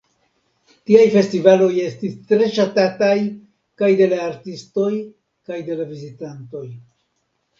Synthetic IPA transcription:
tiajfe̞stivalo̞je̞stist̪ɾe̞ʃatataj | kajd̪e̞laːɾtisto̞j | kajde̞lavizitanto̞j

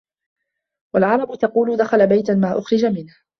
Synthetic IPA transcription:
walʕɑɾˤɑbʊt̪ɑquːlʊd̪axalabajt̪amaːʔʊxɾɪd͡ʒamɪnh

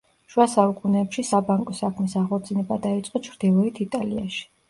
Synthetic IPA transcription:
ʃwasaukʼunɛːpʃisabaŋkʼɔsakʰmisaʁɔɾt̪d̪snɛbad̪ait̪sʼqʼɔt͡ʃʰɾd̪ilˠɔit̪ʰit̪ʼalia̰ʃi̥

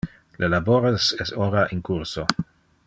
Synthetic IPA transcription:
lʔelaboɾesɛsoɾaʔinkurso

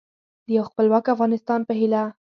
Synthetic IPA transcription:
d̪əjawxpəlwɑkafɣɑnɪst̪ɑnpəɦila

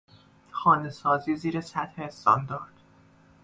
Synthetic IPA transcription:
xɒːne̞sɒːziːziːɾesæt̪heːst̪ɒ̰nd̪ɒːɾd̪̥

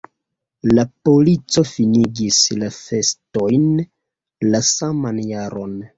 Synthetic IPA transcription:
lapo̞lit͡so̞finiɡislafe̞sto̞jn | lasamanjaɾo̞n

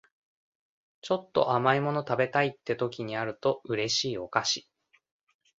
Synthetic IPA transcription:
t͡ɕo̞t̪ːo̞̰ʔamaimo̞no̞t̪abe̞t̪ait̪ːe̞t̪o̞kʲiɲ̟iaɾɯ̟t̪o̞ɯ̟ɾe̞ɕiːo̞kaɕi̥

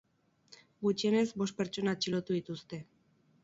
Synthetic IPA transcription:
ɡut͡ʃiene̞zbo̞st̪̚pe̞ɾt͡ʃo̞nat͡ʃilot̪uðit̪ust̪e̞

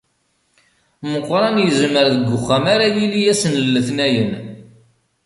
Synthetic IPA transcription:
məqːɾˤɑnjəzməɾðəɡʷːʊχːæmaɾajilijæsənlːəθnæjən

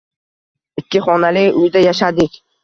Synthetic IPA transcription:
ɪkʲːɪχɒnalɪkʲʊjd̪ajaʃad̪ɪkʲ

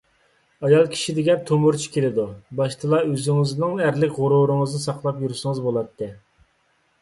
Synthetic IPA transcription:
ɑjɑlˠkʲʰi̥ʃid̪ɪɡʲɛnt̪ʰomuɾt͡ʃʰi̥kʲʰelɪd̪ubɑʃt̪ʰɨlˠɑøzyŋɪznɪŋæɾlɪkʲʁʊɾuɾɨŋəznɨsɑqlˠɑpjuɾsɨŋəzbolˠɑt̪ʰːɨ

